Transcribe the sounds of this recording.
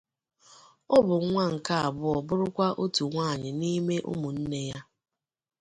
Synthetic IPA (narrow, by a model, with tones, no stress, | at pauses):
ɔ˦bʊ˨ŋ˦ŋʷa˦ŋ̩˨ka˦a˨bʊ˦ɔ˨bʊ˦ɾʊ˦kʷa˦ʔo˦tu˨ŋʷaː˦˨ɲɪ˨ni˦me˦ʔʊ̰˦mʊ˨n̩˦ne˦ja˦